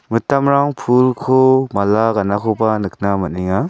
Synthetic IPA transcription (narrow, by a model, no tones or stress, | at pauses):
mɯtamɾaŋpʰulkʰomalaɡanakʰɔbanɯk̚ʰnamɯt̚niŋa